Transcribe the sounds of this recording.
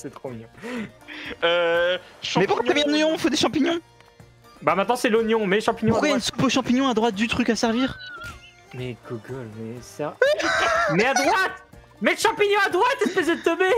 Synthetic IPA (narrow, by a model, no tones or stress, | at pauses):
sɛt̪χomjø | ø | ʃɑ̃mɛpukaavjɛ̃d̪nonjɔ̃ifod̪eʃɑ̃piɲjɔ̃ | bamɛ̃t̪nɑ̃sɛlonjɔ̃mɛʃɑ̃piɲj̃pkwajansu̥poʃɑ̃piɲɔ̃ad̪ʁwat̪̚d̪yt̪χykasɛʁviːʁ | mɛɡoɡɔlmɛsɛʁ | mɛad̪ʁwat̪ | mɛləʃɑ̃piɲjɔ̃ad̪ʁwat̪ɛspəzed̪ət̪ɔbe